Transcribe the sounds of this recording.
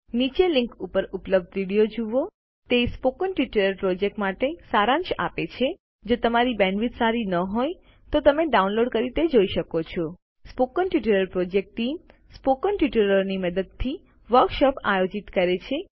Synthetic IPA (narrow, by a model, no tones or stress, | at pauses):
nit͡ʃelɪ̃ŋkupəɾupləb̚d̪ʋiɽijod͡ʒuʋo | t̪espokənʈiʈəɾəɾpɾod͡ʒek̚ʈmaʈesaɾãnʃa̰pet͡ʃʰe | d͡ʒot̪əmaɾibɛ̃ɳɖʋit̪saɾinəɦoj | t̪ot̪əmeɖaunloɖkəɾit̪ed͡ʒoiʃəkot͡ʃʰo | spokənʈiʈəɾəɾpɾod͡ʒek̚ʈʈːim | spokənʈiʈəɾəɾniməd̪əd̪̚t̪ʰi | ʋəɾkʃɔpa̰jod͡ʒit̪kəɾet͡ʃʰe